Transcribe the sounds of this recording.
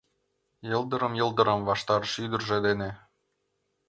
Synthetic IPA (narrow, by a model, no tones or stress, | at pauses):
jɤlˠd̪ə̆ɾəmjɤ̆lˠd̪ə̆ɾɤmvɑʃt̪ɑɾəʃyd̪ərʒĕd̪ene